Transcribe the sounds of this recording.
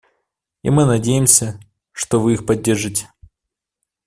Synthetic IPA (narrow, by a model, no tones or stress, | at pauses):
ḭmɨnɐdʲejɪmsʲə | ʂt̪ovɨixpɐdʲːerʐɨtʲɪ̥